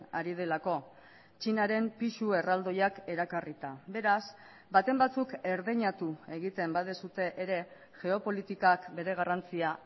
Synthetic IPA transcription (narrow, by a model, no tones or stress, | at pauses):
a̰ɾið̞e̞lako̞ | t͡ʃinaɾe̞mpiʃue̞rald̪o̞jake̞ɾakarit̪abe̞ɾas | bat̪e̞mbat͡suke̞ɾðeɲat̪ue̞ɣit̪embaðesut̪e̞ʔːɾe̞ | ʝe̞o̞po̞lit̪ikakbe̞ɾe̞ɣ̞arant͡sia